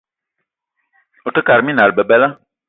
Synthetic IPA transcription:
o˨tə˦ka˨ɾmĩ˦na˨ɾbə˨bɛ˦la˦

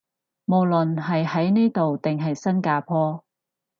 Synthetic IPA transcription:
mo˨wlɵ˨nɦɐ˨jhɐ˨˥jneː˥t̪o˨wt̪ɪ˨ŋɦɐ˨jsɐ˥nkaː˧pʰɔː˥

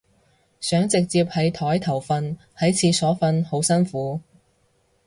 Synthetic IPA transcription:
sœː˨˥ŋt͡sɪ˨k̚t͡siː˧p̚hɐ˨˥jt̪ʰɔː˨˥jt̪ʰɐ˨˩wfɐ˧nhɐ˨˥jt͡sʰiː˨˧sɔː˨˥fɐ˧nho˨˥wsɐ˥nfuː˨˥

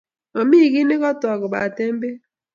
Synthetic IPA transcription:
o˨miː˦˨ɡi˦ne˦kɔ˦tɔ˨ɡʊ˨ba˨te˦m̩˦be˦

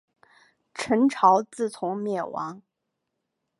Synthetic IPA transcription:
ʈ͡ʂʰə˧˥nʈ͡ʂʰɑ˧˥ʊt͡sɹ̩˥˩t͡sʰʊ˧˥ŋmjɛ˥˩wɑ̰˧˥ŋ

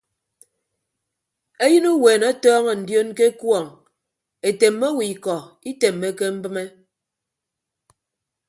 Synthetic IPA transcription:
e˦jɨ˦nu˦weː˨na˦tɔː˦ŋɔ˨n̩˨djo˦nke˦kwɔ˦˨ŋ | e˨te˨mːe˦wi˨kɔ˨i˦te˨mːe˦ke˦m̩˦bɨ˦me˦

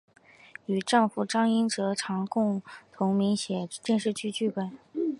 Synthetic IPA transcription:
y˨˩ʈ͡ʂɑ˥˩ŋfu˨˩ʈ͡ʂɑ˥ŋi˥nʈ͡ʂɤ˧˥ʈ͡ʂʰɑ˧˥ŋkʊ˥˩ŋt̪ʰʊ˧˥ŋmi˧˥ŋɕjɛ˨˩t͡ɕjɛ˥˧nʂɻ̩˥˧t͡ɕʰy˥t͡ɕy˥˩kwe˥˩

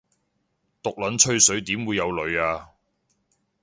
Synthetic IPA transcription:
t̪ʊ˨k̚lɐ˨˥nt͡ʃʰɵ˥ɥsɵ˨˥ɥt̪iː˨˥mwuː˨˧jːɐ˨˧wlɵ˨ɥaː˧

